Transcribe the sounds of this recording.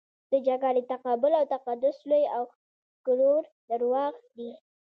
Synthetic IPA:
d̪̥əd͡ʒaɡalet̪aqɑbʊlawt̪aqad̪ʊslojaw | kʊloɾ | d̪əɾwɑɣd̪i

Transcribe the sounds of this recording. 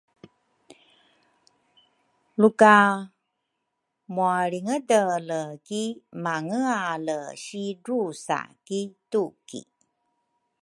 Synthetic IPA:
luka | muaɭiŋədələkimaŋəaləɕidusa̰kitukḭ

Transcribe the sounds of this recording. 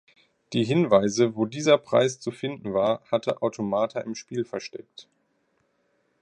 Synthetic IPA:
d̥iːɦɪnvaɪzəvoːdiːzɐpʁ̥a̰ɪst͡sufɪndn̩vaːɐhatʰəʔaʊtʰomaːtʰɐʔɪmʃpiːlfɛɐʃtɛk̚t

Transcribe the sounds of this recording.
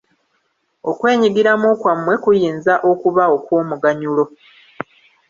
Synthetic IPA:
o̞kwe̞ːɲiɡiɾamukwamːwe̞kujiːnzaʔo̞kuβao̞kwo̞ːmuɡaɲulo̞

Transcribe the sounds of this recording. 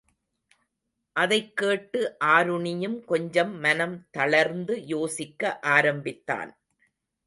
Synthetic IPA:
ʔɐðɐɪkːeːʈːɯʔaːɾɯɳɪjɯmkɔɲd͡ʒɐmːɐnɐmt̪ɐɭɐɾnd̪ɯjoːsɪkːɐʔaːɾɐmbɪt̪ːa̰ːn

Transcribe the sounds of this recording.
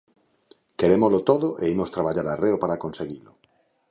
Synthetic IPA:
keɾemozlot̪oðoʔeimost̪ɾaβaʎaɾareopaɾakonseɣilo

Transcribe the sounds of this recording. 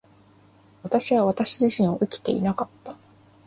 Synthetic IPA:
βat̪aɕiβaβ̞at̪aɕiʑiɕĩɰ̃o̞ʔɯ̟kʲi̥t̪e̞̰ḭnakat̪ːḁ

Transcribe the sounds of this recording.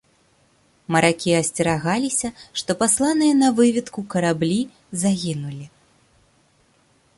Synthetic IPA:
mɐɾakʲiɐsʲt͡sʲɛɾaɣalʲisʲɐʂt̪ɔpaslˠanɨjɐnɐvɨvʲit̪kukɐɾablʲi | zaɣʲinulʲi

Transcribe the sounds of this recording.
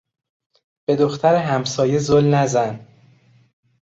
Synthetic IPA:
b̥e̞d̪o̞xt̪ʰæɾeɦæmsɒːje̞zolnæzæn

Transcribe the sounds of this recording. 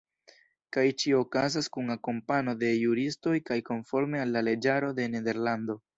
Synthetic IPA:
kajt͡ʃio̞kazaskunakompano̞de̞juɾisto̞jkajko̞nfo̞ɾme̞alːale̞d͡ʒaɾo̞de̞ne̞de̞ɾlando̞

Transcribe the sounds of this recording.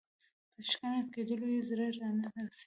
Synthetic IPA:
pəʃkanaked̪əlojezɾəɾɑnad̪asi

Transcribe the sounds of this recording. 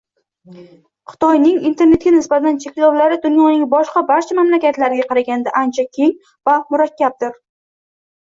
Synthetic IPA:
χɨ̥t̪ʰɒjnɪŋint̪ʰe̞ɾne̞t̪ɡʲanɪsbat̪ant͡ʃʰe̞kʲlɒwlaɾɪd̪ʊnjɒnɪŋbɒʃqɑbaɾt͡ʃʰamamlakʲat̪laɾɪɡʲaqʰɑɾaɡʲand̪aʔant͡ʃʰakʲʰe̞ŋ | vamʊɾakʲʰːab̚d̪ɪɾ

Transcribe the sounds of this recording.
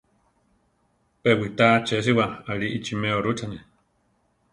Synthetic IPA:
pewit̪at͡ʃes̬iwaaɺiʔit͡ʃimeoɾut͡sane

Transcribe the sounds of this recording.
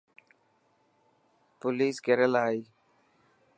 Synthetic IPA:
pʊliːskeɾəlaːiː

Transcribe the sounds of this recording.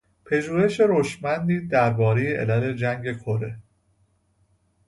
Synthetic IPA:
pʰe̞ʒuːhe̞ʃe̞ɾoʃmænd̪iːd̪æɾbɒːɾejeʔḛlæle̞d͡ʒæŋɟe̞kʰoɾe̞

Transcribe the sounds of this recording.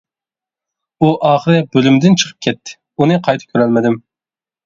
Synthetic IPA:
uʔɑːχəɾɛbølymd̪ɪnt͡ʃʰə̥qʰə̥p̚kʲʰɛt̪ʰːɪ̥ | unɨqʰɑjt̪ʰɨp̚kʲʰøɾɛlmɪd̪ɪm

